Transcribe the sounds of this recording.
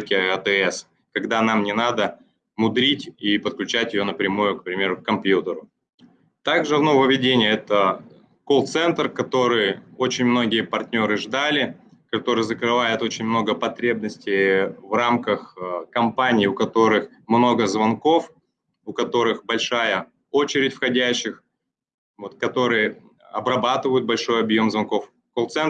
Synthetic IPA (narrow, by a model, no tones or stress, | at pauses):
t̪̚kʲɪət̪ɛɛs | kɐɡd̪an̪amnʲɪnad̪ə | mʊd̪ɾʲitʲipət̪̚klʲʉt͡ɕætʲjɪjo̞nəpɾʲɪmujʊkpɾʲɪmʲe̞ɾʊkkɐmpjut̪əɾʊ | t̪aɡʐɨvnovəvʲɪdʲenʲɪjəɛt̪ə | kolˠt̪sɛnt̪rkɐt̪o̞ɾɨjo̞t͡ɕɪnʲmno̞ɡʲɪjəpɐrtʲnʲo̞ɾɨʐd̪alʲɪ | kɐt̪o̞ɾɨjzəkɾɨvajɪt̪o̞t͡ɕɪnʲmno̞ɡəpɐt̪ɾʲe̞bnəsʲtʲɪjvramkəxkɐmpanʲɪːʊkɐt̪o̞ɾɨx | mno̞ɡəzvɐnko̞f | ʊkɐt̪o̞ɾɨxbɐlʲʂajə | o̞t͡ɕɪɾʲɪtʲfxɐdʲæɕːɪx | vo̞t̪̚kɐt̪o̞ɾɨjə | ɐbrɐbat̪ɨvəjʊt̪̚bɐlʲʂo̞jɐbjo̞mzvɐnko̞f | kolˠt̪sɛn